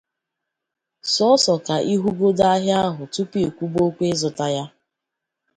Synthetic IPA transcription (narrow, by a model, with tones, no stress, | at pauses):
sɔ˦sɔ˨ka˨ʔi˦ɦu˦ɡo˦da˦ɦja˦a˦ɦʊ˨tu˦pi˦˨kʷu˦bo˦kʷe˦zʊ˨ta˦ja˦